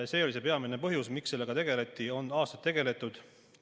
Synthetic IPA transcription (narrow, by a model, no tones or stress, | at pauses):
se̞ːolisepe̞ɑminepɤɦjusmikse̞lːe̞ɡ̥ɑt̪e̞ɡ̥e̞le̞t̪ːˑio̞nɑːst̪ɑt̪ːe̞ɡe̞le̞t̪ːˑud̪̥